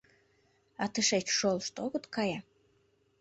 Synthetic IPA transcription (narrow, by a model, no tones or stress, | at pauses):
ɑt̪əʃet͡ɕʃolˠʃt̪oɣɤ̆t̪kɑjɑ